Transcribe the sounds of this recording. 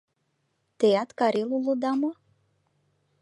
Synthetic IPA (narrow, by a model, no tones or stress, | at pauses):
t̪ejɑt̪kɑɾelulod̪ɑmo